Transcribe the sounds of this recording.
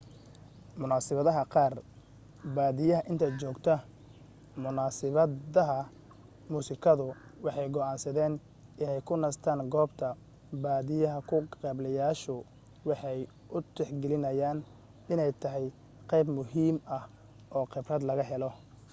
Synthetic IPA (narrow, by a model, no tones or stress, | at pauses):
mʊnaːsɪβɐðɐɦɐqɑːr | baːðɪjɐɦɐʔɪnt̪ʰɐt͡ʃɔːɡt̪ʰɐ | mʊnaːsɪβɐðɐɦɐ | muːsɪkʰɐðʊwɑħɑjɡɔʔaːnsɐðɛːn | ʔɪnɛjkʰʊnɐst̪ʰaːŋɡɔːbt̪ʰɐ | baːðɪjɐɦɐkʰʊqɛblɐjaːʃʊ | wɑħɑj | ʊt̪ɛħɡɛlɪnɐjaːn | ɪnɛjt̪ʰɐɦɛj | qɛjbmʊɦiːmɐh | ʔɔːqɪbrɐd̪lɐɣɐɦɛlɔ